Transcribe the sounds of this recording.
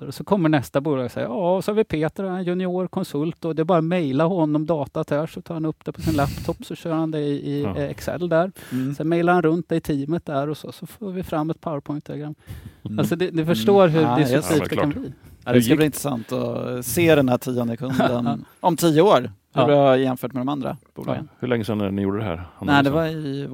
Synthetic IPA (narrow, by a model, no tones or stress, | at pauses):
ɔsɔkʰɔmːəɳɛst̪abuːlɑːɡsɛ̰jə̰ɑɔsɔhaɾvɪpʰeːt̪əɾɛnjɵnɪuːɾkʰɔnsɵlt̪ɔd̪ɛɛbɑːɾamɛjlaɾɦɔnːɔmd̪ɑːt̪at̪ʰæʂɔt̪ʰɑːɾhanɵpːd̪ɛpʰɔsɪnlæpt̪ʰɔpːsɔɕœːɾhand̪ɛɪʔɪɛksɛ̰lːd̪æɾsɛnmɛjlaɾhanɾɵnt̪̚d̪ɛɪt̪ʰiːmət̪̚d̪æɾɔsɔsɔfoːɾvɪfɾamːɛt̪̚pʰawəɾpʰɔʏjnt̪ʰɛləɡɾamːalsɔd̪ɛd̪ɪfœʂʈoːɾɦɵd̪ɪiːkanb̪liːad̪ɛskabliɪnt̪ɾɛsa̰nt̪ɔ̰seːd̪ɛnhæʈʰiːɔnd̪əkʰɵnd̪ənɔmt̪ʰiːəoːɾhɵbjɛnfœːʈmɛd̪ɔmand̪ɾa̰bṵl̰ɡ̰nhɵɭɛŋːəsɛnnɪjṵːɖəd̪ɛhæ̰ɾnɛd̪ɛvaɪ